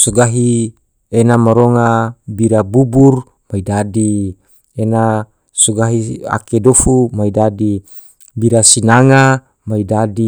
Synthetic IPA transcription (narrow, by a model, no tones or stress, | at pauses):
soɡaɦi | enamaɾoŋabiɾabubur | maidadi | ena | soɡaɦia̰kedofumaidadi | biɾasinaŋa | maidadi